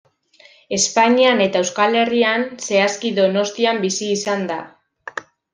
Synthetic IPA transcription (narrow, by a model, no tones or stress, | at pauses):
e̞spaɲiane̞t̪aewskale̞rianse̞askiðo̞no̞st̪iambisiːsand̪a̰